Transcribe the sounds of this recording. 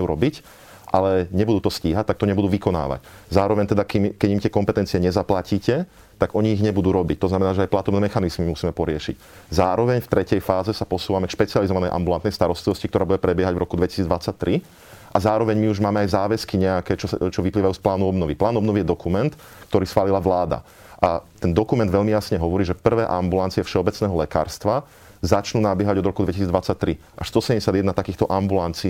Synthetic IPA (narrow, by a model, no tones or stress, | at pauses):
uɾɔbic | ʔalɛɲɛbud̪uːt̪ɔsciːɦact̪ak̚t̪ɔɲɛbud̪uːʋikɔna̰ːʋa̰czaːɾɔʋɛɲt̪ɛd̪akimkɛɟimt̪ɪɛkɔmpɛt̪ɛnt͡siɛɲɛzaplaciːcɛ | t̪aɡʔɔɲiːɣɲɛbud̪uːɾɔbic̚t̪ɔznamɛnaːʒɛajplat̪ɔbnɛːmɛxanizmimusiːmɛpɔɾɪɛʃḭc | zaːɾɔʋɛɲft̪ɾɛcɛjfaːzɛsapɔsuːʋamɛkʃpɛt͡sializɔʋanɛjʔa̰mbulant̪nɛjst̪aɾɔst̪liʋɔscik̚t̪ɔɾaːbuɟɛpɾɛbɪɛɦaɟvɾɔkud̪ʋɛci̥siːd͡zd̪ʋat͡sːac̚t̪ɾi | ʔazaːɾɔʋɛɲmiuʒmaːmɛajzaːʋɛskiɲɛakɛːt͡ʃɔt͡ʃɔʋipliːʋajuːsplaːnuɔbnɔʋiplaːnɔbnɔʋijɛd̪ɔkumɛnt̪ | k̚t̪ɔɾiːsxʋaːlilaʋlaːd̪a̰ | ʔat̪ɛnd̪ɔkumɛnd̪ʋɛʎmijasɲɛɦɔʋɔɾiːʒɛpr̩ʋɛːʔambulant͡sijɛfʃɛɔbɛt͡snɛːɦɔlɛka̰ːɾst̪ʋa | zat͡ʃnuːnabɪɛɦaɟɔd̪ɾɔkud̪ʋɛcisiːd͡zd̪ʋat͡sːac̚t̪ɾi | ʔaʃst̪ɔsɛɛɲɟɛsɪad̪jɛd̪nat̪akiːxt̪ɔʔambulant͡si